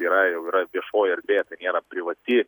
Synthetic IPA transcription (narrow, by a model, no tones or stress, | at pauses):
iːɾɐjɛʊiːɾɐʋʲiɛʃoːjɐɾʲbʲeːɛt̪ɐɪnʲeːɾɐpʲɾʲɪʋɐt̪ʲɪ